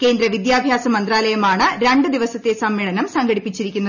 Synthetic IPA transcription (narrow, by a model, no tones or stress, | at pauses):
ke̞ːnd̪ɾɐʋid̪jaːbʱjaːsɐmɐnd̪ɾaːlɐjɐmaːɳɨɾe̞ɳɖɨd̪iʋɐsɐt̪ːe̞sɐmːeːɭɐnɐmsɐŋɡɐɽipːit͡ɕːiɾikʲːunːɐ